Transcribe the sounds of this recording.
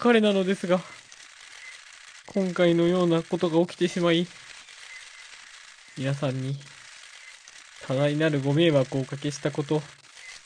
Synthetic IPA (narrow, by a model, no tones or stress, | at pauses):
kaɾe̞nano̞d̪e̞sɨɡa | kʰõ̞ŋkaino̞jo̞ːnako̞t̪o̞ɡao̞kʲi̥t̪e̞ɕimai | mʲinasãɲ̟ːi | t̪ʰad̪ainaɾɯ̟ɡo̞me̞ːβakɯːkake̞ɕi̥t̪ako̞t̪o̞